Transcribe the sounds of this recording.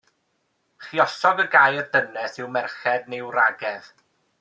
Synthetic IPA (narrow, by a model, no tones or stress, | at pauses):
χiɔsɔɡəɡaːjərdənɛsɪwmɛrχɛdnewraɡɛð